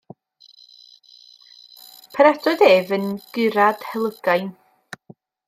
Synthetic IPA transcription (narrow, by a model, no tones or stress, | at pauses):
pʰəɾadʰɔɨðeːvənɡ̥ɨɾad̥hɛlˠəɡ̥ajn